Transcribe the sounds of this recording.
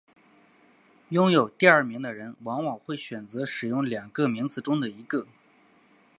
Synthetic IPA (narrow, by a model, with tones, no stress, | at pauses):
jʊ˥ŋjo˨˩ʊt̪i˥˧ɐ˞˥˩mi˧˥ŋd̪ə˧ɻə˧˥nwɑ˧˥ŋwɑ˨˩ŋxwe˥˩ɪɕɥɛ˨˩nt͡sɤ˧˥ʂɻ̩˨˩jʊ˥˩ŋljɑ˨˩ŋkə˥˧mi˧˥ŋt͡sɹ̩˧˩ʈ͡ʂʊ˥ŋd̪ə˨i˧˥ɡə˥˧